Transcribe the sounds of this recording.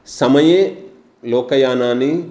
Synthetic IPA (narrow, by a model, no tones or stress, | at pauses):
sɐmɐjeː | loːkɐjaːnaːni